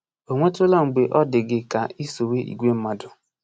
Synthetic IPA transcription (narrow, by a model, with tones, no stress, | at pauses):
o˨ŋʷe˦tʊ˦la˦ŋ͡m̩˨ɡ͡be˨ʔɔ˦dɪ˨ɡɪ˦ka˨i˦so˨we˦ʔḭ˨ɡʷe˦m̩˦ma˦dʊ˨